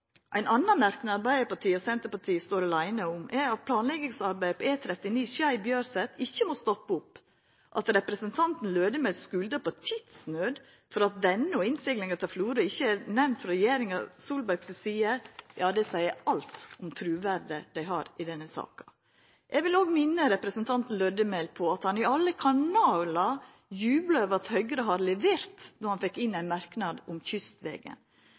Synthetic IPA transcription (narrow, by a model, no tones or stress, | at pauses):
ʔæɪnɑnːɑnmæɾknəɑɾbæɪəpɑʈʰiːɔsɛnt̪əpɑʈʰiːəst̪oːɾɑlæɪnəʊmʔæɾɑt̪̚pʰlɑːnlɛɡɪŋsɑɾbæɪpʰɔeːt̪ʰɾɛt̪ːɪniːsæɪbjøːɾsɛt̪ɪçːəmost̪ɔpːəʊpː | ʔɑ̰t̪ɾɛpɾəsənt̪ʰɑnt̪n̩løːd̪ɪmɛsskʉld̪əpɔt̪ʰɪd̪snøːd̪ | fɔɾɑt̪̚d̪ɛnːəɔɪnsɪɡlɪŋɑt̪ʰɑlfluːɾəɪçːəæɾnɛmnt̪fɾɔɾɛjeːɾɪŋɑsuːlbæɾɡsɔsiːəjɑːd̪ɛsæɪəɾɑlt̪ʊmt̪ʰɾʉːʋæɾd̪əd̪æɪɦɑːɾɪd̪ɛnːəsɑ̰ːkɑ̥ | ʔɛɡʋɪloːɡmɪnːəɾɛpɾəsənt̪ʰɑnt̪n̩løːd̪əmɛlpʰɔɑt̪hɑnɪɑlːəkʰɑɳɑːlɑ | jʉːbləøːʋəɾɑt̪hœʏɡɾəɦɑɾlɛʋeːɾt̪nɔɾhɑnfɛkːɪnːæɪnmɑɾknɑd̪ʊmçʏst̪ʋɛ̰ːɡə̰n